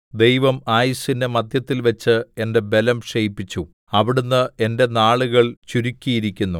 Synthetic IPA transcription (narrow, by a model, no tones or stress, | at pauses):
d̪e̞jʋɐmaːjisindemɐd̪ʱjɐt̪ːilʋɐt͡ɕːɨe̞nde̞be̞lɐmʂejpːit͡ɕːu | ɐʋiɽunːɨe̞nde̞naːɭuɣɐɭt͡ɕuɾukʲːijiɾikʲːunːu